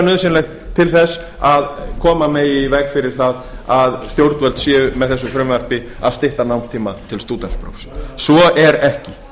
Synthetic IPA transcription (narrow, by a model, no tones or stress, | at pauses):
nʏðsɪnlejxt̪ʰːɪlθɛs | aðkʰɔːmamɛivɛkfɪɾɪɾ̥θaðaðst̪jowɾt̪vɛlt̪sjɛːmɛðθɛsːʏfɾʏmvɛr̥pɪ | a̰ðst̪ɪht̪anawnst̪ʰiːmat̪ʰɪlst̪uːt̪ɛnspɾo̰wfssvɔɛɾɛhcɪ